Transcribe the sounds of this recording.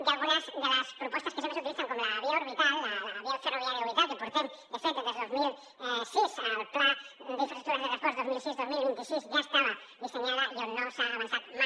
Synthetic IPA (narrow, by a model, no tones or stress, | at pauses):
d̪alɣunazðelaspɾopwest̪askesemosut̪iliθaŋkomolaβiaoɾβit̪alaaβiaferoβjaɾjaoβit̪aljapoɾt̪ant̪d̪efent̪ed̪ezðeozmil | sisat̪aɾd̪ifesit̪uɾazðeɣat̪oɾazðozmilsizðozmilũŋkesisʝaest̪aða | ðeseɲaðaiaðenawsaːβansθaðma